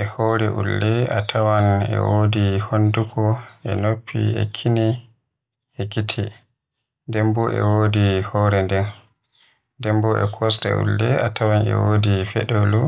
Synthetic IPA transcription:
ʔɛhɔɾɛʔulːɛatʰawanɛ̰woːdihondukʰɔɛnopʰːḭɛ̰kʰini | ɛɡitʰɛ | dɛmbɔʔɛ̰woːdihɔɾɛndɛn | dɛmbɔʔɛ̰kʰɔsta̰ʔṵlːɛatʰawanɛ̰woːdifɛ̰ɗolu

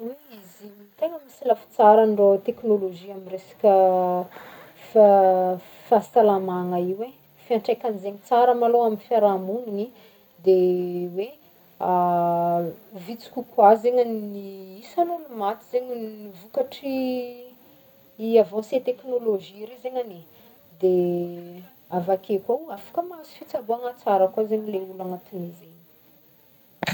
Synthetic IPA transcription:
wiizimt̪eŋəmisilafi̥t͡saɾaɳɖ͡ʐot̪eknoloʒiamiresḁkʲə | fa | fassalamaŋaiwe | fiaɳʈ͡ʂejkʲanizeɲt͡saɾəmaloaminfaɾamunini | d̪ewe | a | vit͡si̥kʲukwazeɲaniisalolumat̪izeɲinivukaʈ͡ʂi | iavãset̪eknoloʒiɾezeɲane | d̪e | avakekawafḁkəmazi̥fit͡sabuaŋat͡saɾəkwazeɲileulaŋat̪inizeɲ̥

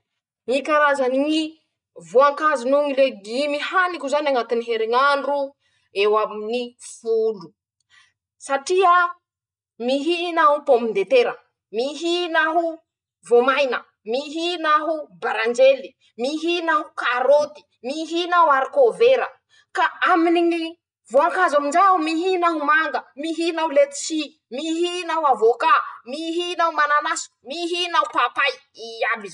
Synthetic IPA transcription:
mikaɾazaniŋi | voaŋkazinuŋileɡimihanikʲuzanaŋat̪iniɦeɾiŋaɳɖ͡ʐu | ewaminifulu̥ | saʈ͡ʂia | miɦinaɦupomind̪et̪eɾə | miɦinaɦu | vomajnə | miɦinaɦubaɾand͡ʒeli | miɦinaɦukaɾot̪i̥ | miɦinawaɾikoveɾə | kaaminiŋi | voaŋkazamind͡ʒaumiɦinaɦumaŋɡəmiɦinaulet̪i̥si | miɦinawavokamiɦinaumananasu̥miɦinaupapaj | iabi

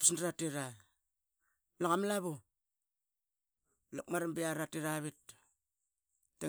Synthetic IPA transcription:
pi̥sndɾateɾa | laŋamlaβo | lakmaɾambiaɾateɾaβit | e

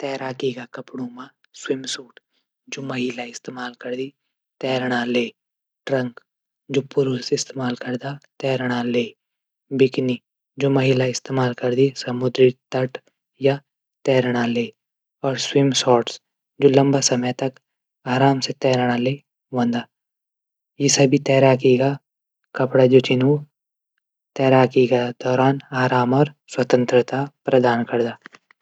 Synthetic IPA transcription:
t̪ɛːɾaːkikakɐpɽumã | swɪmsuːʈ | d͡ʒoːmɐɦilaɪst̪eːmaːlkɐɾd̪i | t̪ɛːɾɽ̃aleː | ʈɾɐ̃ŋk | d͡ʒoːpʊɾusɪst̪eːmaːlkɐɾd̪at̪ɛːɾɽ̃aleː | bɪkni | d͡ʒoːmɐɦiːlaɪst̪eːmaːlkɐɾd̪isɐmʊd̪ɾit̪ɐʈ | ja | t̪ɛːɾɽ̃aleː | ɔːɾswɪmsɔːɾʈs | d͡ʒoːlɐ̃mbasɐməjt̪ɐk | aːɾaːmset̪ɛːɾɽ̃ale | wɐ̃nd̪aː | jesɐbʱit̪ɛːɾaːkiɡa | kɐpɽad͡ʒoːt͡ʃɪnu | t̪ɛːɾaːkiked̪̥ɔːɾaːnaːɾaːmɔːɾswɐt̪ə̃nt̪ɾət̪apɾɐd̪aːnkɐɾd̪aː

